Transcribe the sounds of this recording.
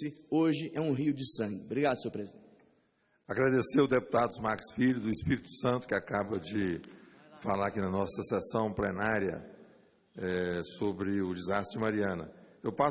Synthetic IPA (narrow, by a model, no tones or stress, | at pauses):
ɪoʒɪʔɛũɦiʊd͡ʒɪsɐ̃ŋɡɪbɾiɡad̪ʊsoɾpɾezĩt͡ʃ | aɡɾad̪eseʊd̪epu̥t̪ad̪ʊd̪ʊzmaɾksfiʎʊd̪ʊispiɾit̪ʊ̥sɐ̃nt̪ʊ̥kɪakabɐd͡ʒɪ | falaɾakinɐnɔsɐsesɐ̃w̃plenaɾjɐ̰ | ɛsobɾɪʊd͡ʒɪzast̪ɾd͡ʒɪmaɾiɐ̃nɐ̰ewpa